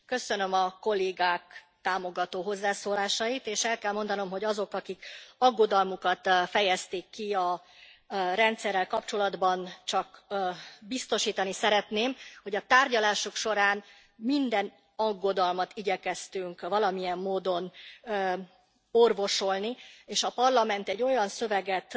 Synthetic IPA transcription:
kø̞sønø̞mɒko̞lːeːɡaːk | t̪aːmo̞ɡɒt̪oːɦo̞zːaːsoːlaːʃɒjit̪eːʃɛlkɛlmo̞nd̪ɒno̞mɦo̞ɟɒzo̞kɒkikɒɡːo̞d̪ɒlmukɒt̪fɛjɛst̪ikːiɒ | rɛnt̪sɛrːɛlkɒpt͡ʃo̞lɒd̪bɒnt͡ʃɒkː | bist̪o̞ʃiːt̪ɒnisɛɾɛt̪neːmho̞ɟɒt̪aːrɟɒlaːʃukʃo̞ɾaːn | mind̪ɛn | ɒɡːo̞d̪ɒlmɒt̪iɟɛkɛst̪yŋkʋvɒlɒmijɛmːoːd̪o̞n | o̞rvo̞ʃo̞lnieːʃɒpɒrlɒmɛnt̪ɛɟːo̞jɒnsøvɛɡɛt̪

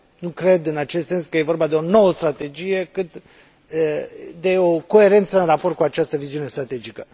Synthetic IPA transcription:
nukɾe̞d̪ɨnat͡ʃest̪se̞nskəje̞vo̞rbad̪eo̞no̞wəst̪ɾat̪e̞d͡ʒije̞kɨt̪ | əd̪e̞o̞ko̞e̞ɾe̞nt̪səɨnrapo̞rt̪̚kuat͡ʃast̪əviziunest̪ɾat̪e̞d͡ʒikə

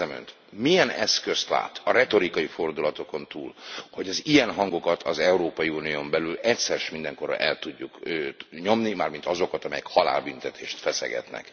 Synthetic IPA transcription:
ɛmø̰nt̪ | mijɛnɛ̰skø̞st̪la̰ːt̪ɒɾɛt̪o̞ɾikɒjifo̞rd̪ulɒt̪o̞ko̞nt̪uːlho̞ɟɒzijɛnɦɒŋɡo̞kɒt̪ʰɒzɛuɾoːpɒjiuːnijoːmbɛlylɛcsɛɾʃmind̪ɛŋko̞rɒ̰ʔɛlt̪uɟːukøɲo̞mnimaːrmint̪ɒzo̞kɒt̪ɒmɛjɛkhɒla̰ːlbynt̪ɛt̪ʰḛːʃt̪fɛsɛ̰ɡɛ̰t̪nɛ̰k

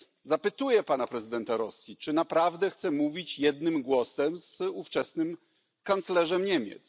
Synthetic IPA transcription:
zapɘt̪ujɛpanapɾɛzɘd̪ɛnt̪aɾɔsʲjit͡ʂɘnapɾavd̪ɛxt̪sɛmuvʲit͡ɕjɛd̪̚nɘmɡwɔsɛmzuft͡ʂɛsnɘm | kant̪slɛʐɛmɲemʲjɛ̰t̪s

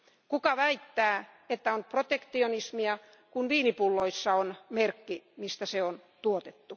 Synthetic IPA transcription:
kukɑʋæit̪ːæː | et̪ːæonprot̪ekt̪ionismiɑ | kunʋiːnipulːoisːɑonmerkːimist̪æseont̪uot̪et̪ːu

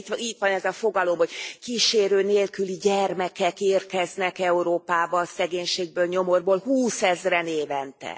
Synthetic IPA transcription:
t̪it̪ʋɒnɛzɒfo̞ɡɒlo̞mho̞ɟ̥kiːʃeːɾøːneːlkyliɟɛrmɛkɛkeːrkɛznɛkɛuɾoːpaːbɒsɛɡeːɲʃeːɡ̚bøːlɲo̞mo̞rboːlhuːsɛzrɛneːvɛnt̪ɛ̰

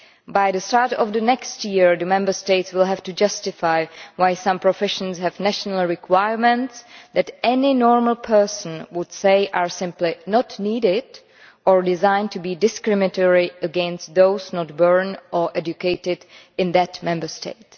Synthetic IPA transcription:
bajðəstaɹtɔvðənɛkstjɪɹðəmɛ̃mbə˞steɪtswɪlˠɦɛftud͡ʒʌstɪfaɪwajsãmpɹɔfɛʃə̃nshɛvnæʃənəl̩ˠɹɪkʰwaɪəɹmɛ̃ntsðætɛnɪnɔːɹməl̩ˠpʰɜ˞sə̃n̩wʊd̥seɪʔaɹsɪ̃mplɪnɔtniːdɪd | ɔɹdɪzãɪ̃ntʰubiːdɪskɹɪmɪtəɹiəɡɛ̃nst̚ðoʊsnɔt̚bɜɹnɔɹʔɛd͡ʒukeɪtɪd | ɪ̃nðætmɛ̃mbə˞stḛɪt

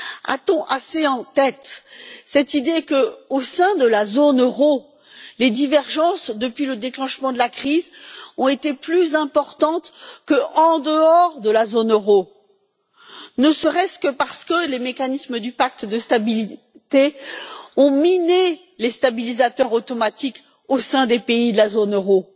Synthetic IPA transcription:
a̰t̪ɔ̃ʔaseɑ̃t̪ɛt̪sɛt̪id̪ekəosɛ̃d̪əlazonøʁo | led̪ivɛʁʒɑ̃sd̪əpɥiləd̪eklɑ̃ʃmɑ̃d̪əlakχizɔ̃et̪eplyzɛ̃pɔʁt̪ɑ̃t̪kəɑ̃d̪əɔʁd̪əlazonøʁo | nəsəʁɛskəpaʁsə̥kəlemekanisməd̪ypak̚t̪d̪əst̪abili | t̪e | ɔ̃mine | lest̪abilizat̪œʁot̪ɔmat̪ik | osɛ̃d̪epeid̪əlazonøʁo

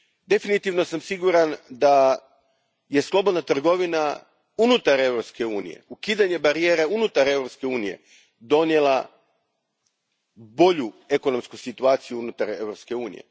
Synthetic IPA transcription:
d̪e̞finit̪iʋno̞samsiɡuɾand̪a | je̞slˠo̞bo̞d̪nat̪r̩ɡo̞ʋina | unut̪aɾe̞wɾo̞pske̞uːnḭje̞̰ukiːd̪aɲe̞baɾijeːɾeunut̪aɾe̞wɾopske̞uːnije̞̰ | d̪o̞nje̞lˠa | bo̞ʎue̞ko̞no̞mskusit̪uaːt̪sijuunut̪aɾe̞̰wɾopske̞uːnḭjḛ

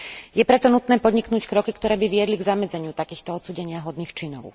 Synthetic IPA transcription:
jɛpɾɛt̪ɔnut̪nɛːpɔd̪ɲiknuːckɾɔkikt̪ɔɾɛːbiʋɪɛd̪liɡzamɛd͡zɛɲɪut̪akiːxt̪ɔɔt̪suːɟɛɲɪaɦɔd̪niːxt͡ʃinɔ̰ʊ

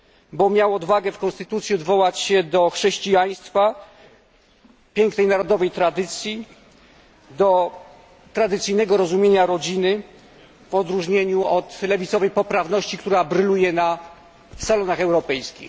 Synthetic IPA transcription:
bɔmʲjawɔd̪vaɡɛfkɔnst̪ɘt̪ut̪sʲjiɔd̪vɔwat͡ɕɕɛd̪ɔxʂɛɕt͡ɕijaj̃st̪fa | pʲjɛŋknɛjnaɾɔd̪ɔvɛjt̪ɾad̪ɘt̪sʲji | d̪ɔ | t̪ɾad̪ɘt̪sɘjnɛɡɔɾɔzumʲjeɲaɾɔd͡ʑinɘ | vɔd̪ɾuʐɲeɲuɔt̪lɛvʲit̪sɔvɛjpɔpɾavnɔɕt͡ɕikt̪uɾabɾɘlujɛna | salɔnaxɛwɾɔpɛjskʲḭx

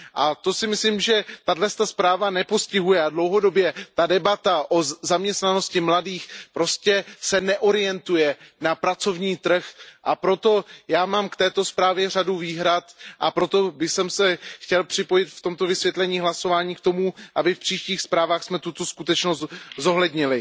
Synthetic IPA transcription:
ʔat̪o̞sɪmɪsliːmʒɛt̪adlɛst̪aspɾaːvanɛpo̞scɪɦujɛadlo̞wɦo̞do̞bjɛt̪adɛbat̪aʔo̞zamɲɛst̪nano̞scɪmladiːxpɾo̞scɛsɛnɛʔo̞ɾɪjɛnt̪ujɛnapɾat͡so̞vɲiːt̪r̩xʔapɾo̞t̪o̞jaːmaːmkt̪ɛːt̪o̞spɾaːvjɛr̝aduviːɦɾat̪ʔapɾo̞t̪o̞bɪxsɛmsɛxcɛlpr̥ɪpo̞jɪt̪ft̪o̞mt̪o̞vɪsvjɛt̪lɛɲiːɦlaso̞vaːɲiːkt̪o̞muʔabɪfpr̥iːʃciːxspɾaːvaːxsmɛt̪ut̪o̞skut̪ɛt͡ʃnoszo̞ɦlɛdɲɪlɪ

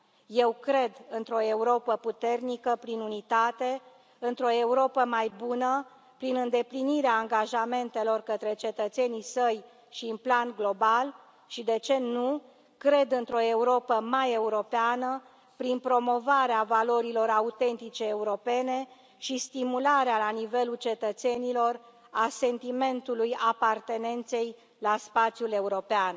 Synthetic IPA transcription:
je̞wkɾe̞d̪ɨnt̪ɾo̞euɾo̞pəput̪e̞rnikəpɾinunit̪at̪e̞ | ɨnt̪ɾo̞e̞uɾo̞pəmajbunə | pɾinɨnd̪e̞pliniɾeaːŋɡaʒame̞nt̪e̞lo̞rkət̪ɾe̞t͡ʃe̞t̪ət̪se̞nisəj | ʃiunplanɡlo̞bal | ʃid̪e̞t͡ʃe̞nu | kɾe̞d̪ɨnt̪ɾo̞e̞uɾo̞pəmaje̞uɾo̞peanə | pɾinpɾo̞mo̞vaɾeavalo̞ɾilo̞ɾaut̪e̞nt̪it͡ʃe̞ːuɾo̞pe̞ne̞ | ʃist̪imulaɾealanive̞lult͡ʃe̞t̪ət̪se̞nilo̞r | ase̞nt̪ime̞nt̪ulujapart̪e̞ne̞nt̪se̞j | laspat̪sjule̞uɾo̞pean

